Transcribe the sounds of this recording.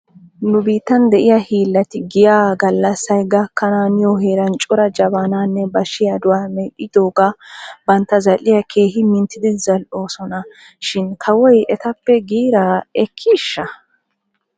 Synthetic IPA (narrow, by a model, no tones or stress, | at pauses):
nʊbiːt̪ːɐnd̪ɛʔɪjɐhiːlːɐt̪ɪɡɪjaːɡɐlːɐsːɐjɡɐkːɐnaːnɪjɔhe̞ːɾɐnt͡ʃʼʊɾɐd͡ʒɐbaːnaːnːɛbɐʃːɪjɐd̪ʊwaːmɛʔɪd̪oːɡɐbɐnt̪ːɐzɐlːɪjɐkʰe̞ːhɪmɪnt̪ːɪd̪ɪzɐlʔo̞ːsɔnɐ | ʃɪnkʰɐwɔjɛt̪ɐpːɛɡiːɾɐɛkʰːɪːʃːɐ